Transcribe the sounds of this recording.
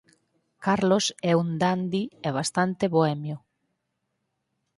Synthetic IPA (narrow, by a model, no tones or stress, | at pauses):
kaɾlosɛund̪and̪ieβ̞ast̪ant̪eβoɛmjo